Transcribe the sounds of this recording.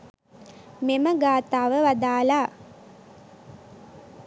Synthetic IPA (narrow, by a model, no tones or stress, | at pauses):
meməɡaːt̪aːʋəʋad̪aːlaː